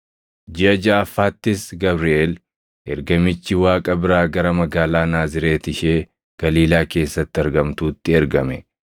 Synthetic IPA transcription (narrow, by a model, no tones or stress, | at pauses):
d͡ʒɪɐd͡ʒaːɐfːaːt̪ːɪsɡɐbɾɪʔeːl | ʔɛɾɡɐmɪt͡ʃːɪwaːkʼɐbɪɾaːɡɐɾɐmɐɡaːlaːnaːzɪɾe̞ːt̪ɪʃeː | ɡ̥ɐliːlaːke̞ːsːɐt̪ːɪɐɾɡɐmt̪uːt̪ːɪɛɾɡɐmɛ